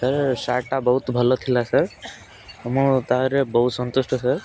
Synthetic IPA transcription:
səɾsaʈabəɦut̪bʱəlot̪ʰilasəɾ | mũt̪aɦɾebəɦut̪sɔnt̪usʈʰəsəɾ

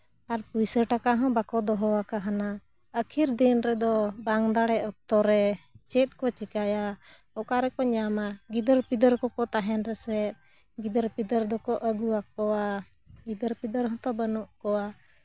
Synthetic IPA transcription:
aɾpujsəʈakaɦɔ̃bakɔd̪ɔɦɔwakaɦana | əkʰiɾd̪inɾɛd̪ɔbaŋd̪aɽɛɔk̚t̪ɔɾɛt͡ʃɛt̪̚ˀkɔt͡ʃikaja | ɔkaɾɛkɔɲamaɡid̪əɾpid̪əɾkɔkɔt̪aɦɛnɾɛsɛ | ɡid̪əɾpid̪əɾd̪ɔkɔʔəɡuak̚ɔwa | ɡid̪əɾpid̪əɾɦɔ̃t̪ɔbənuʔkɔwa

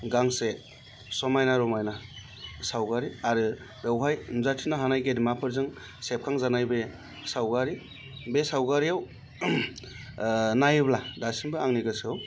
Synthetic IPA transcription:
ɡaŋse | sɔmajnaɾɔmajna | sawɡaɾiaɾɯ | dewɦajmzatʰinaɦanajɡedmapʰɯɾzɯŋ | sep̚kʰaŋzanajbe | sawɡaɾi | besawɡaɾiaw | najɯbladasinbɯaŋniɡɯsɯaw

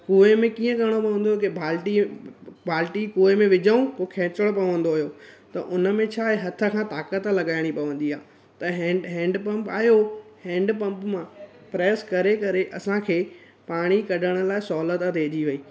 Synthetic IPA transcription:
kuːemẽkiːə̃kɐɽ̃opɐʋə̃nd̪oːjokebʱaːlʈibʱaːlʈikuːemẽʋɪd͡ʑəũkokʰɛ̃ːt͡ɕəɽ̃opɐʋə̃nd̪oɦijot̪ɐʔʊnə̆mẽt͡ɕʰaːeɦɐt̪ʰə̆kʰãt̪aːkət̪lɐɠaːɪɽ̃ipɐʋə̃n̆d̪iaː | t̪ɐɦɛ̃ɖɦɛ̃ːɳɖpɐ̃mpaːɦjohɛ̃ːɳɖpɐ̃mpmã | pɾɛːskɐɾekɐɾeʔɐsãkʰeː | paːɽ̃ikɐɖʱəɽ̃ə̆laːɪsɔːlət̪ət̪eːd͡ʑiʋɐiː

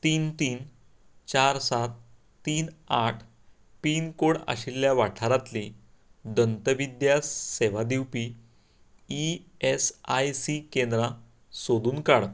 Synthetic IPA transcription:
t̪iːnt̪iːn | t͡ɕaɾsat̪ː | iːnaʈʰ | piːnkoɽa̰ɕilːjaʋaʈʰaɾat̪li | d̪ənt̪əʋid̪jaseʋad̪iwpi | iesajsikend̪ɾã | sod̪uːnkaɽ

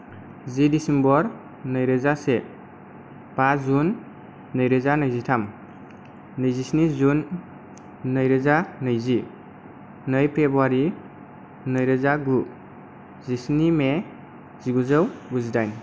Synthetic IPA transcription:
zidisembɔɾ | nɯjɾɯzase | b̥azunː | ɯjɾɯzanɯjzitʰam | nɯjzisnizunː | ɯjɾɯzanɯjzi | nɯjpʰɾebuaɾi | nɯjɾɯzaɡu | zisnime | ziɡuzəwbuzidajn

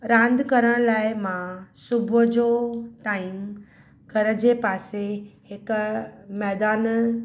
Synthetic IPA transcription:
ɾãːnd̪kɐɾəɽ̃laːɪmãsʊbʱʊd͡ʑoʈaːɪm | kɐɾə̆d͡ʑeːpaːsehɪkmɛːd̪aːn

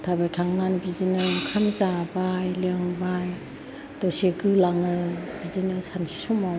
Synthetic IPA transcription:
tʰabajkʰaŋːanbizinɯkʰamzabajleŋbaj | dɔsiɡɯlaŋɯbidinɯsansi̥sumaw

